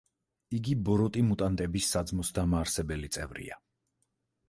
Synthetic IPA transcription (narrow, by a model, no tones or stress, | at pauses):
iɡibɔɾɔt̪ʼimut̪ʼant̪ʼɛbisːad̪zmɔsd̪amaːɾsɛbɛlit̪sʼɛ̰vɾḭa